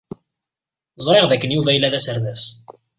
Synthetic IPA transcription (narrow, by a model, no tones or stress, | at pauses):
zˤɾˤeʁðækːənjuvæjlːæðæsəɾðæs